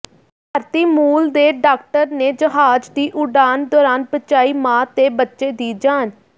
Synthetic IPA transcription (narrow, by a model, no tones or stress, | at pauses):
əɾt̪iːmuːld̪eːɖaːk̚ʈəɾneːd͡ʒəɦaːd͡ʒd̪iːʔʊɖaːnd̪ɔːɾaːnbətːt͡ʃaːiːmãːt̪eːbətːʃeːd̪iːd͡ʒaːn